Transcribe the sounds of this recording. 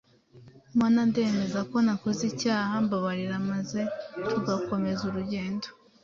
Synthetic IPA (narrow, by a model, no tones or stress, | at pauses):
maːnande̞ːme̞zako̞nako̞zicaːhambaβaɾiɾamazekʰuɡako̞me̞zuɾuɟe̞ːndo̥